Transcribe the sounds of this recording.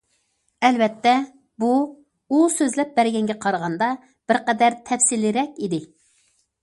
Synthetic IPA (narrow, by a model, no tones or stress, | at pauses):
ɛlvɛt̪ʰːɛ | bu | usøzlɛp̚bæɾɡʲɛŋɡʲɛqʰɑɾəʁɑnd̪ɑ | b̥ɪɾqɛd̪æɾt̪ʰɛfsilɪɾɛkʲid̪ɪ